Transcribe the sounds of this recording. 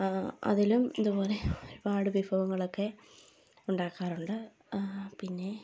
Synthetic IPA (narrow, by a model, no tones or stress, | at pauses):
ɐ̰ðilumiðubo̞ːleoɾubaːɽɨʋibʱɐʋɐŋːɐɭokːe̞ | uɳɖaːkːaːruɳɖɨ | pinːe̞